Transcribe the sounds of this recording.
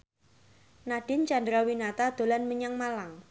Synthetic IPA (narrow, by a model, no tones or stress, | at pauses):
naɖ̥ɪnt͡ʃand̪ɾawinat̪ad̪̥o̤lanməɲaŋmalaŋ